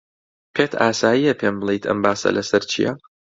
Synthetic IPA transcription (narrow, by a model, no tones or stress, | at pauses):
pʰeːt̪ʰaːsaːjijɐpʰeːmɨlˠejt̪ʰɐ̰mbaːsɐ̰lʔɐsɐɾt͡ʃʰḭjɐ̰